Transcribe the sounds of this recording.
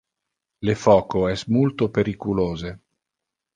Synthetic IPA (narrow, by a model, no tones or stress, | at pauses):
lefɔːkoɛsmult̪opeɾikuloːze